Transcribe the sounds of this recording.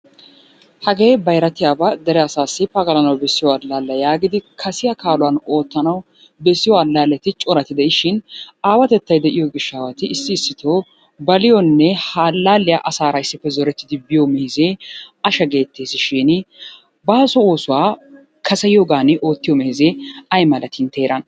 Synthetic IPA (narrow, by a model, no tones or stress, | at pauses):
hɐɡeːbɐjɾɐt̪ɪjaːbɐd̪ɛɾɛɐsaːsːɪpɐɡɐlɐnɐwbɛsːɪjɔɐlːaːlːɐjaːɡɪd̪ɪkʰɐsɪjakaːlʊwaːno̞ːt̪ːɐnɐw | bɛsːɪjɔɐlːaːlːɛt̪ɪt͡ʃʼɔɾɐt̪ɪd̪ɛʔɪʃɪnaːwɐt̪ɛt̪ːɐjd̪ɛʔɪjoɡɪʃːaːwɐt̪ɪɪsːɪːsːɪt̪ʰoː | bɐlɪjɔnːɛhaːlːaːlːɪjaʔɐsaːɾɐɪsːɪpːɛzɔɾɛt̪ːɪd̪ɪbɪjomɛhɪzeːɐʃɐɡe̞ːt̪ːeːsɪʃɪn | baːsɔo̞ːsʊwaː | kʰɐsɐjoːɡaːnɪʔo̞ːt̪ːɪjɔmɛhɪzeɐjmɐlɐt̪ʰɪnt̪ʰe̞ːɾɐn